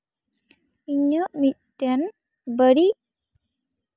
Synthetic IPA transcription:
iɲːəmiʈːen | bəɽi

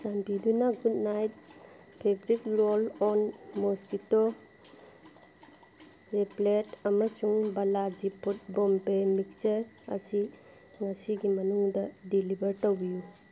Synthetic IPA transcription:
sanpidunaɡud̚najt̚ | pʰebɾitɾolɔnmoskito | ɾepletɐmɐsuŋbɐlad͡ʒipʰut̚bɔmpemik̚sɐɾ | ɐ̰si | ŋɐsiɡimɐnuŋdɐdilibɐɾtowbiju

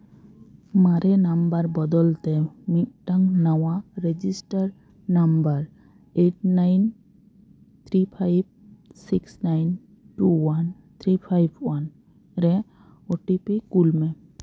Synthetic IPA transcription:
maɾenambaɾbɔd̪ɔlt̪emit̚ʈaŋnawaɾed͡ʒisʈaɾ | nambaɾ | eʈnajn | t̪ʰɾipʰajb̚siksnajn | ʈuwan | t̪ʰɾipʰajbʱwan | ɾɛ | oʈipikulme

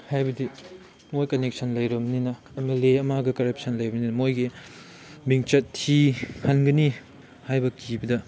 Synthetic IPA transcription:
hajbɐdi | mojkɐnek̚sʰɐnlɐjɾɐmɐninɐ | emeleɐmaɡɐkɐɾɐp̚sʰɐnlɐjbɐninɐmojɡi | biŋt͡ʃɐtʰːihɐnɡɐni | hajbɐkʰibɐdɐ

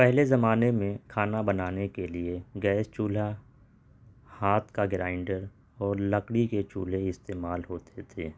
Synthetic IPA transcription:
pɛɦlezɐmaːnemẽkʰaːnabɐnaːnekelieɡɛːst͡ʃuːl̤a | haːt̪ʰkaɡɪɾaːɪɳɖəɾ | ɔːɾləkɽiket͡ʃṵːl̤eɪst̪eːmaːlɦoːt̪ʰet̪ʰeː

